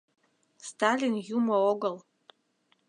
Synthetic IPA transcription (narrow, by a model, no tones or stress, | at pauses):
stʰalinjumaoɡɐl